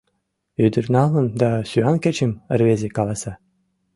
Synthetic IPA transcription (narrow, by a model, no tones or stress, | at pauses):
yd̪yrnɑlˠɤ̆nd̪ɑsʲyɑnkʲɘ̆t͡ɕɘmɘ̆rβʲezʲekɑlˠɑsɑ